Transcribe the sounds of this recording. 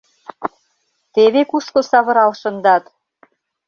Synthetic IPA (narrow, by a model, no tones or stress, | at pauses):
t̪eβekuʃkosɑβɤ̆ɾɑlʃɤ̆nd̪ɑt̪